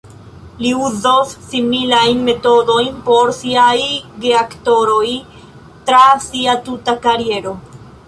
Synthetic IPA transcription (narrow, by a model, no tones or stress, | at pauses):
liuzosːimilajnme̞to̞do̞jnpo̞ɾsiajɡeakto̞ɾo̞j | tɾasiatutakaɾie̞ɾo̞